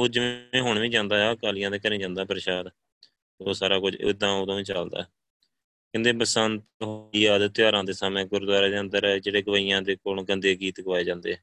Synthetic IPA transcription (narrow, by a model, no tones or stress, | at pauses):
oːd͡ʒɪʋẽːɦʊɳʋĩːd͡ʒãːnd̪aːɦɛkaːlɪjãːd̪eːkəɾĩːd͡ʒãːnd̪aːpəɾʃaːd̪ | oːsaːɾaːkʊd͡ʒɪ̰d̪ãːoːd̪õːʋĩːt͡ʃəld̪a̰ː | kɪ̃nd̪eːpəsənt̪ɦoiːɛːd̪t̪ɪjaːɾãːd̪eːsaːmẽːɡʊɾd̪waːɾaːd̪eːə̃nd̪əɾɛːd͡ʒeːɽeːɡəʋaːijãːd̪eːkoːlɡənd̪eːɡiːt̪ɡəʋaːeːd͡ʒãːnd̪eːɛː